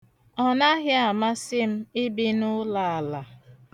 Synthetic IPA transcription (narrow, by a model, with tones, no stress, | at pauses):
ɔ˨na˦ɦɪ˦a˨ma˦sɪ˦m̩˦ɪ˦bi˦nʊ˦la˨a˨la˨